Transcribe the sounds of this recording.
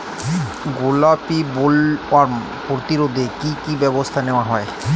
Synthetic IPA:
ɡulapibulaɾm | poɾot̪iɾod̪ʱekikibɛbost̪ʰaneoaɦɔe

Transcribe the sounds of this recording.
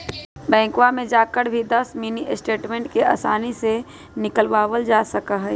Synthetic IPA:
bɛ̃ːŋkwamẽd͡ʒaːkəɽbʱid̪ɐsminiʔɪsʈeːʈmẽːɳʈkeaːsaːnise | nɪkəlʋaːwəld͡ʒaːsəkaɦɛː

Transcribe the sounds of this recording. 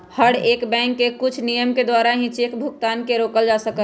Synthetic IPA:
həɽeːkbɛ̃ːŋkːekʊt͡ʃʰnijəmked̪waːɾaɦĩt͡ʃeːkbʱʊk̚t̪aːnkeɾoːkəld͡ʒaːsəkə

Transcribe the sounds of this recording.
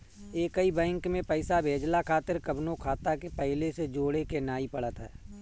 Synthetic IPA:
eːkəibɛ̃ːŋkmẽpəɪsabʱeːd͡ʒlakʰaːt̪ɪɾkəbnõkʰaːt̪akepɛɦɪlesed͡ʒoːɽekenaːipəɽ̤ət̪ɦɛ̰ː

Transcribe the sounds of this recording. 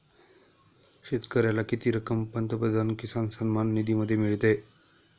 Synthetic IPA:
ɕet̪kəɾjalakit̪iːɾəkəmpənt̪əpəd̪ʱankisansənmanːid̪ʱiməd̪ʱːjemiɭt̪e

